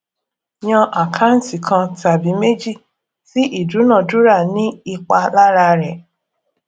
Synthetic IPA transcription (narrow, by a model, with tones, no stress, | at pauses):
j̃ã˧ʔa˨kʰa˦n̩˦ti˨kʰã˧ta˨bi˨˦me˦d͡ʒi˦˨ | si˦ʔi˦˨du˨˦nã˦˨du˦ɾa˦˨nĩ˦i˧k͡pa˧la˦ɾa˧ɾɛ˨